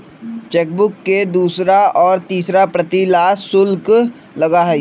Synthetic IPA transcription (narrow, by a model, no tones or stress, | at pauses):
t͡ʃeːk̚bʊkːed̪uːsɾaɔːɾt̪iːsɾapɾɐt̪ilaːssʊlk | lɐɡaɦɛi